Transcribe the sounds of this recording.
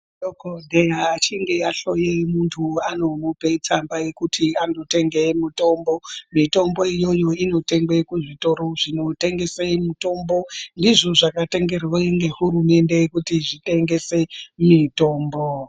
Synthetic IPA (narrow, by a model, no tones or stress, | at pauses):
dokondejaːt͡ʃiŋɡe̞aɬojemuntʰuano̞mupe̞t͡sambajekutʰiandote̞ŋɡe̞muto̞mbo̞mito̞mbo̞ijo̞jo̞ino̞te̞ŋɡwe̞kuʐito̞ɾo̞ʐino̞te̞ŋɡe̞semuto̞mbo̞ndiʐoʐakate̞ŋɡe̞rweŋɡe̞ɦurume̞nde̞kutiʐite̞ŋɡe̞se̞mito̞ːmbo